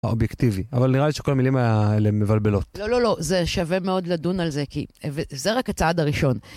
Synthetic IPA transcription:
aobjektiviavalniʁaliʃe̥ko̞lamilimajaelemevalbelo̞tlolo̞lo̞ze̞ʃave̞me̞o̞dladunalze̞kḭvezeʁakat͡saadaʁiʃo̞n

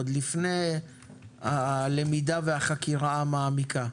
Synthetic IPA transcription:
d̪lifnej | ale̞midaveaχakiʁaamaːmikʰa

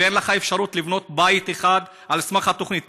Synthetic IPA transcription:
enlaχae̞fʃaɾut̪livno̞t̪bait̪eχad̪ | ʔalsmaχhat̪o̞χnit̪

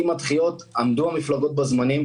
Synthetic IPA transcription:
imatχijo̞tamduhamiflaɡo̞t̪̚bazmanim

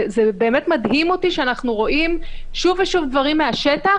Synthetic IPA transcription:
zebe̞ːmetmadɦimotiʃeanaχnuʁo̞ʔimʃuveʃuvdvaʁimːeaʃeta

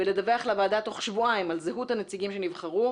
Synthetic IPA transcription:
veled̪aveaχlavaːdato̞χʃvuaimalzeɦuthanet͡siɡimʃenivχaʁu

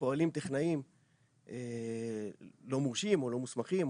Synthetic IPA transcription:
po̞alimt̪eχnaim | ʔe | lo̞muʁʃimo̞lo̞musmaχim

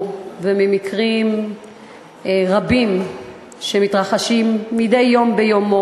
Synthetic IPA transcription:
vemimikʁim | ʁabim | ʃemitʁaχaʃimːidejːo̞mbejomo

